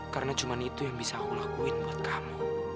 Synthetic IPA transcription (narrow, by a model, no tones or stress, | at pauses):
karənḁʒ̥ṳmanit̪ujaŋbisakulahkuwɪt̪̚muɪt̪̚kamu